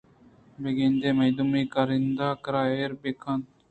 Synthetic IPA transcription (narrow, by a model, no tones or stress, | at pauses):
beɡend̪eːmɐjd̪umiːkaɾɪnd̪aːkɾaːeːɾbekʰãnt̪